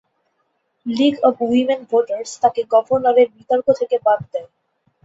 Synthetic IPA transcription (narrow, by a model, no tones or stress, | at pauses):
liɡɔbwimenbʱoʈaɾst̪akeɡɔbʱoɾnɔɾeɾbit̪ɔɾkot̪ʰekebab̚d̪ɛe